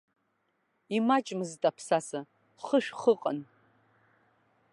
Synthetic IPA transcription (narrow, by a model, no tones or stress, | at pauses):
imat͡ʃʼmɨztʼapʰsasa | χəʃᶣχəqʼa̰n